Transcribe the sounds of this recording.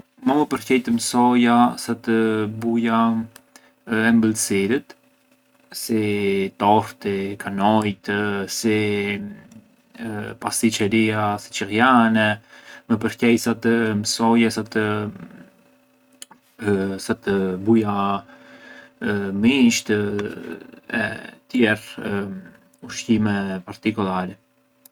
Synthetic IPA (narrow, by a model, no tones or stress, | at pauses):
maməpəɾkɛjt̪əmsɔjasat̪əbuja | ɛmbəlsiɾət̪ | sit̪ɔft̪ikʰanɔjt̪si | past̪it͡ʃɛɾiasi̥t͡ʃərjanɛməp̬əɾkɛjsat̪əməsɔjɛsat̪ | sat̪əbuja | miʃt̪ə | ɛ̰t̪jɛr | uʃt̪imɛpaɾt̪ikulˠaɾɛ